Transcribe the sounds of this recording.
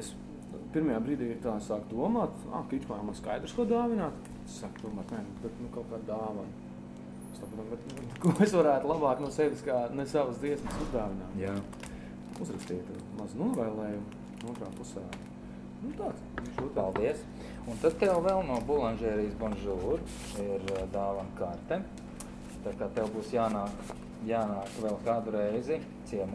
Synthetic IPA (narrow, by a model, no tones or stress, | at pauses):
es | piɾmɐjaːbɾiːd̪iːiɾt̪aːsaːkd̪uɔmaːt̪ | a̰kit͡ʃmaːɾmanska̰jd̪ɾuskuɔd̪aːʋinaːt̪ | saːkd̪uɔmaːt̪nɛnubɛt̪nukaʊkaːd̪d̪aːʋan | st̪akunambɛt̪ | kuɔesʋaɾæːt̪lˠabaːknuɔsɛdʲiskaːnɛsaʋəsd̪ziɛsməsuzd̪aːʋinaːmja | uzɾɐkst̪iːt̪u | maznuɔʋɛjlˠɛːjum | nuɔnt̪ɾaːpusaː | nut̪aːt̪suʃuːt̪palˠd̪iɛs | unt̪ad̪̚t̪ɛwvɛlˠnuɔbulˠanʲʒɛːɾijsbɔnʒuːɾ | iɾd̪aːʋankaɾt̪ɛ | t̪akaːt̪ɛwbuːsjaːnaːk | jaːnaːkʋɛlˠkaːd̪uɾɛjzɪ | t̪siɛm